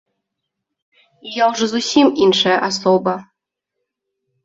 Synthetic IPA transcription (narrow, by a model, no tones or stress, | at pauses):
ijawʐɔzusʲiminʂɐjɐʔasɔbɐ